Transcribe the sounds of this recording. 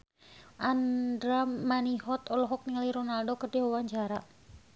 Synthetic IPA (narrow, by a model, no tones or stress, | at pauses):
ʔandɾamaniɦɔt̪ɔlɔɦɔk̚niŋaliɾɔnaldokərdiwawaɲd͡ʒaɾa